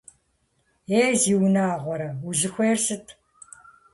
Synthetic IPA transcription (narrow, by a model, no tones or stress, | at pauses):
eːziːwnaːʁʷɔɾɐuɮɨxʷeːrsɨtʰ